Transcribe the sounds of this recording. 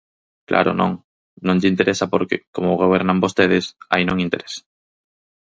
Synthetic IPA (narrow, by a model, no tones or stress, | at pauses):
klʔa̰ɾo̰nõ̰ŋ | nõŋʎɪint̪eɾʔesapoɾkḛkomoɣ̞oβ̞ɛɾnambost̪eð̞ɪsa̰inõŋint̪eɾesḁ